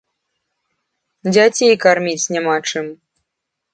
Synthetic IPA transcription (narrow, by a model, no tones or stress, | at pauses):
d͡zʲat͡sʲejkarmʲit͡sʲnʲɛmat͡ʂɨm